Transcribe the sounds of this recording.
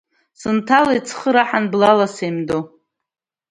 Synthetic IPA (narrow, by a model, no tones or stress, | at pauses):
sɨntʰalait͡sʰχəɾaħanblalasemdo